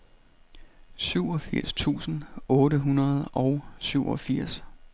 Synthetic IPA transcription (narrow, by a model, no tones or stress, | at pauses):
syʊ̰ɒ̽fiɐ̰st͡sʰṵːsn̩ɔ̽ːɾəɦunɐð̞̩ˠɒʊsyʊʔɒ̽fiɐ̰s